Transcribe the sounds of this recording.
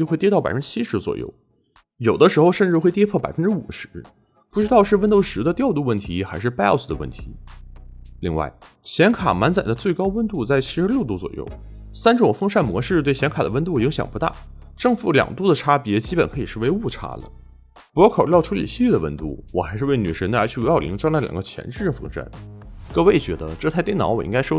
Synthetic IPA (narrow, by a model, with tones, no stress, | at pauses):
jxe˥˧ɪt̪jɛ˥t̪ɑ˥˩pa̰˨˩fə˦˥ʈ͡ʂɻ̩˥t͡ɕʰi˥ʂɻ̩˧˥t͡swɔ̰˨˩jo̰˥˩ʊ | jo˨˩ʊd̪ə˦ʂɻ̩˧˥xo˧ʊʂə˥˧nʈ͡ʂɻ̩˥˧xwe˥˩ɪt̪jɛ˥pʰɤ˥˩pa˨˩ɪfə˥nʈ͡ʂɻ̩˥u˨˩ʂɻ̩˧˥ | pu˥˩ʈ͡ʂɻ̩˥t̪ɑ˥˧ʊʂɻ̩˥˧wə˥˧nt̪o˥˩ʊʂɻ̩˧˥d̪ə˧t̪jɑ˥˧ʊt̪u˥˧wə˥˩nt̪ʰi˧˥xa˧˥ɪʂɻ̩˥˩pɛ˥sd̪ə˩wə̰˥˩nt̪ʰḭ˧˥ | li˥˧ŋwa̰˥˩ɪ | ɕjɛ˧˥nkʰa̰˨˩ma˧˥nt͡sa˨˩nd̪ə˦t͡swe˥˩ɪkɑ˥ʊwə˥˧nt̪u˥˧t͡sa˥˩ɪt͡ɕʰi˥ʂɻ̩˧˥ljo˥˩ʊt̪u˥t͡swɔ̰˨˩jo̰˥˩ʊ | sa˥nʈ͡ʂʊ˨˩ŋfɤ˥ŋʂa˥˩nmwɔ˧˥ʂɻ̩˥˧t̪we˥˩ɪɕjɛ˧˥nkʰa˨˩d̪ə˦wə˥nt̪u˥˩i˧˥ŋɕjɑ˨˩ŋpu˧˥t̪a̰˥˩ | ʈ͡ʂɤ˥˧ŋfu˧˩ljɑ̰˨˩ŋt̪u˥˩d̪ə˩ʈ͡ʂʰa˥pjɛ˧˥t͡ɕi˥pə˨˩nkʰɤ˧˥i˨˩ʂɻ̩˥˩we˧˥ɪu˥˩ʈ͡ʂʰa̰˥lə̰˨ | pu˧˥jkʰo˨˩ljɑ˥˧ʊʈ͡ʂʰu˥ḭ˨˩ɕi˥lɛ˥˩d̪ə˩wə̰˥˧nt̪ṵ˥˩wɔ˨˩xa˧˥ɪʂɻ̩˥˧we˥˩ɪny˨˩ʂə˧˥nd̪ə̰˧˥t͡ɕʰy˥˩˧li˧˥ŋʈ͡ʂɑ˥ŋlə˥˩ljɑ̰˨˩ŋɡə˦t͡ɕʰjɛ̰˧˥nʈ͡ʂɻ̩˥˩ʈ͡ʂə˥˩fɤ̰˥ŋʂa̰˥˩nkɤ˥˧we˥˩ɪt͡ɕɥɛ˧˥d̪ə̰˧ʈ͡ʂɤ˥˧t̪ʰa˥˧ɪjnɑ˧˥wɔ˨˩ḭ˧˥ŋka˥ɪʂo˥